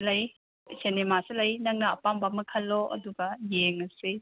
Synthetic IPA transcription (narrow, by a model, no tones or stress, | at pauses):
lɐj | senemasilɐjnɐŋnɐɐpambɐmɐkʰɐlːoʔɐ̰duɡɐjeŋɐsi